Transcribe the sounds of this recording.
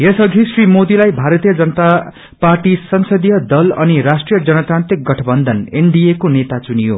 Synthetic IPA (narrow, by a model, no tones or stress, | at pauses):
jesʌɡʱisrimod̪ilajbʱaɾʌt̪ijʌd͡zʌnʌt̪a | parʈisʌnsʌd̪ijʌd̪ʌlʌ̰niɾasʈrijʌd͡zʌnʌt̪rant̪rik̚ɡʌʈʰʌbʌnd̪ʱʌneɳɖiekonet̪at͡sunijo̰